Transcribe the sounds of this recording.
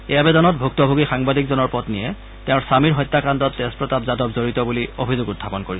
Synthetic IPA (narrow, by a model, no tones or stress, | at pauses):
ɛjabɛdɔnɔt̚bʱuk̚tɔbʱuɡixaŋbadikzɔnɔɹpɔtnijɛ | tɛʊ̃ɹsamiɹɦɔjtːakandɔtdɛspɹɔtabzadɔpzoɹitɔbuliobʱizoɡʊtʰːapɔnkoɹis